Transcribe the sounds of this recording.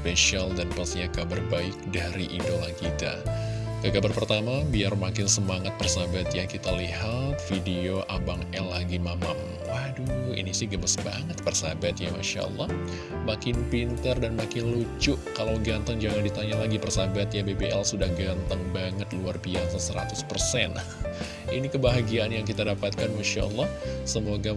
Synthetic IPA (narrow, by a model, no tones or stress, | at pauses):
speʃialdanpasɲakabarbaɪk̚daɾiʔidolankit̪a̰kəkabərpərt̪amabiarmakɪnsəmaŋat̪̚pərsabat̪jakit̪alihat̪̚fideoʔabaŋɛlːaɡimama̰m | wahduḭnisɪhɡəbəsbaŋət̪̚pərsabat̪̚jama̰ʃa̰ʔə̰lːɑh | makɪnpint̪ərdanmakɪnlut͡ʃʊʔkalawɡant̪aŋd͡ʒaŋandit̪aɲalaɡipərsabat̪jabebeʔɛlsudahɡant̪aŋbaŋət̪luarbiasasəɾa̰t̪ʊspərsɛn | inikəbaɦaɡiaʔːnjaŋkit̪adapat̪̚kanmaʃa̰ʔə̰lːɑhsəmoɡa